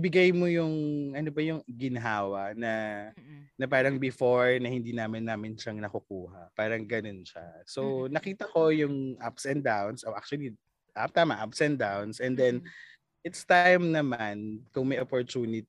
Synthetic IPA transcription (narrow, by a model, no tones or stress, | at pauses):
bɪɡajmojʊŋʔɐnobɐjʊŋɡɪnɐɦaːwɐnɐ | nɐpaːɾɐŋbɪfoɹnɐhɪnd̪iːnaːmɐnːaːmɪnʃaŋnɐkʊkuːhɐpaːɾɐŋɡɐno̞nʃa̰sonɐkiːt̪ɐko̞jʊŋʔapsɛn̚d̪awnsʔoʔa̰k̚t͡ʃʊɐli | ʔa̰p̚t̪aːmɐʔapsɛn̚d̪awnsʔɛnd̪ɛn | ʔɪt̪st̪ajmnɐmankʊŋmɐjʔɐpoɹt͡ʃuːnɪt̪